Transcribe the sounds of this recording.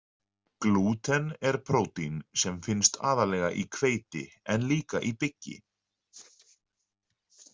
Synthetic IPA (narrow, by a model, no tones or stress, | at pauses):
kluːt̪ʰɛnɛɾ̥pʰɾoːwt̪insɛmfɪnst̪ʰa̰ːðalɛːɣaʔikʰveːjt̪ɪ̰ | ɛnliːkaʔipɪcːɪ̰